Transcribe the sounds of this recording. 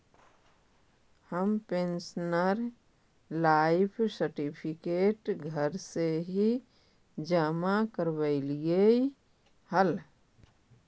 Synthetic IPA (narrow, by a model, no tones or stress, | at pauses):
həmpensnəɾ | laɪpʰsəɾʈipʰikeːʈɡʱəɾseɦi | d͡ʒamakəɾbəɪlije | həl